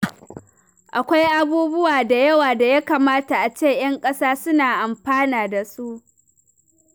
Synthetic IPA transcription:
ʔa˨kʷa˦jʔa˦buː˦bʊ˦waː˨da˨jɐ˦waː˨da˨ja˦kaː˨maː˦ta˨ʔa˨t͡ʃeː˦˨j̰ɐ˦ŋkʼɐ˦saː˦sʊ˦naː˨ʔa˨mɸaː˦naː˨da˨su˦ʔ

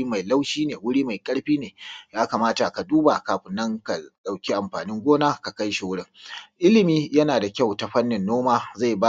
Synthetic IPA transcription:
ma˨jla˦wʃiː˦neː˨wʊ˦ɽiː˦ma˨jkʼɐ˦ɽɸiː˦neː˨jaː˦ka˨maː˦ta˨ka˨duː˦ba˨kaː˨ɸɪ˨nːɐ˦ŋka˨ɗa˨wkʲi˦ʔa˨mɸaː˨nɪ˦ŋɡʷoː˦naː˦ka˨ka˦jʃi˨wʊ˦ɽɪ˦ŋʔɪ˦lɪ˨miː˦jɐ˦naː˨da˨kʲa˦˨wta˨ɸɐ˦nːɪ˨nːoː˦maː˦za˦˨ba˦

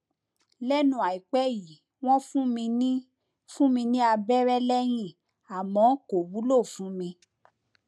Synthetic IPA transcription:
lɛ˦nũ˧˦a˨i˨k͡pɛ˦ji˨ | w̃ɔ̃˦fũ˦mĩ˧nĩ˦ | fũ˦mĩ˧nĩ˦a˧bɛ˦ɾɛ˦lɛ˦j̃ĩ˦˨ | a˨mɔ̃˨˦ko˨wu˨˦lo˦˨fũ˨˦mĩ˧

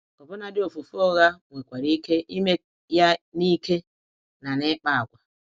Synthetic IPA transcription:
ɔ˨bʊ˦na˨dɪ˦o˨fu˨fu˦ɔ˦ɣa˦ŋʷe˨kʷa˨ɾi˦ke˦ʔi˦me˦ | ja˦ni˦ke˦ | na˨ne˦k͡pa˦a˨ɡʷa˨

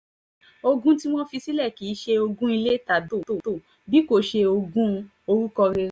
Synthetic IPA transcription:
o˧ɡũ˦ti˦w̃ɔ̃˦fi˧si˦lɛ˦˨ki˨˦ʃe˧o˧ɡũ˦i˧le˦ta˨do˦˨to˦˨to˦˨ | bi˦ko˦˨ʃe˧o˧ɡũ˦ | o˧ɾu˦kɔ˧ɾe˧˦

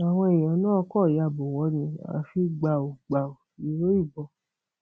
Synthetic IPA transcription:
a˨w̃ɔ̃˧e˨j̃ã˨˦nã˦ɔ˧kɔ˦˨ja˨bo˨wɔ˧˦nĩ˧˨a̰˨fi˧˦ɡ͡ba˧˨o˨ɡ͡ba˨o˨ | i˨˦ɾo˦i˦˨ɡ͡bɔ˧˨

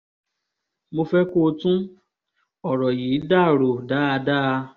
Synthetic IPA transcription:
mo˧fɛ˦ko˦˧tũ˦ | ɔ˨ɾɔ˨jiː˨˦da˦˨ɾo˨da˨˦a˧da˦˧

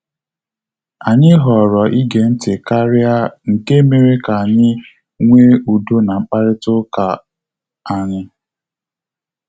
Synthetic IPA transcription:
a˨ɲɪ˦ɦɔ˨ɾɔ˨ʔi˦ɡe˨n̩˦tɪ˨ka˦ɾɪ˦a˦ŋ̩˨ke˦me˨ɾe˦ka˨a˨ɲɪ˦ | ŋʷe˦u˨do˦na˨ŋ͡m̩˨k͡pa˦ɾɪ˦tʊ˦ka˨ | a˨ɲɪ˦

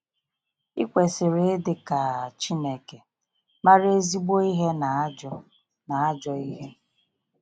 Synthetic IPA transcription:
i˦kʷe˨sɪ˨ɾe˨˦dɪ˨ka˨t͡ʃi˦ne˨ke˨ | ma˦ɾe˦zi˦ɡ͡bo˦i˦ɦe˦na˨˦d͡ʒɔ˦ | na˨a˦d͡ʒɔ˦i˦ɦe˦

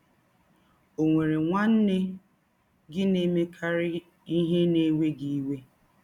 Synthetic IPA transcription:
o˨ŋʷe˨ɾe˨ŋʷa˦n̩˦ne˦ | ɡɪ˦ne˦me˦kʰa˦ɾɪ˦ | i˦ɦe˦ne˦we˦ɡi˦we˦

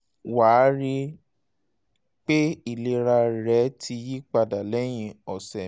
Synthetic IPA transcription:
waː˨˦ɾi˧ | k͡pe˦i˦˨le˧˦ɾa˧ɾɛ˨˦tʰi˧ji˦k͡pa˧da˨lɛ˦j̃ĩ˦˨ɔ˨sɛ˨

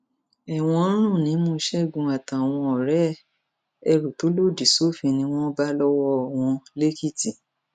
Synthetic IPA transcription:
ɛ˨w̃ɔ̃˧˦ɾ̃ũ˦˨nĩ˨˦mũ˧˦ʃɛ˦˨ɡũ˨˧a˨ta˨w̃ɔ̃˧ɔ˨ɾɛ˦ | ɛ˧ɾu˨to˨˦lo˦˨di˨so˦fĩ˧nĩ˧w̃ɔ̃˦ba˦lɔ˦wɔ˦˨w̃ɔ̃˧le˦ki˦˨ti˨

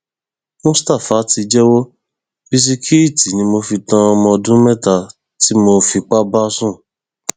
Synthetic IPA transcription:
mũ˦sta˦˨fa˨˦ti˧d͡ʒɛ˦wo˦ | bi˧s̬i˧kʰi˦i˦˨ti˨nĩ˧˦mo˧fi˧tã˧ɔ˧mɔ̃˧dũ˦mɛ˦˨ta˧˨ | ti˨˦mo˧fi˧k͡pa˦ba˦sũ˦˨

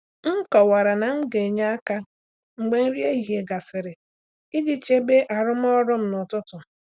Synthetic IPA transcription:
ŋ̩˦kɔ˨wa˨ɾa˨na˨ŋ͡m̩˦ɡe˨ɲa˦a˦ka˦ | ŋ͡m̩˨ɡ͡be˨n̩˦ɾje˦i˦ɦje˨ɡa˨sɪ˨ɾɪ˨ | i˦d͡ʒi˦t͡ʃe˦be˦ʔa˨ɾʊ˦m̩˦ɔ˦ɾʊ˦m̩˦nɔ˨tʊ˦tʊ˨

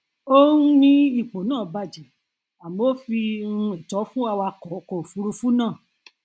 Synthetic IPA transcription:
o˦nũ˦nĩ˦i˦˨k͡po˨nãː˦˨ba˧d͡ʒɛ˨ | a˨m˨o˦fi˧ũ˧e˨tɔ˨˦fũ˦a˧wa˧kɔ˨˦kɔ˨o˨fu˨˦ɾu˧fu˦nãː˦˨

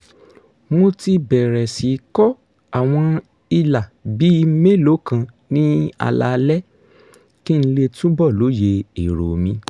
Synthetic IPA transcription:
mo˧ti˧bɛ˨ɾɛ˨si˨˦kɔ˦ | a˨w̃ɔ̃˧ | i˧la˨bi˨˦˧me˦lo˨˦kã˧ | nĩ˦a̰˧la̰˧lɛ˦ | ki˦n̩˦le˧tũ˦bɔ˦˨lo˨˦je˧i˨ɾo˨mĩ˧˦

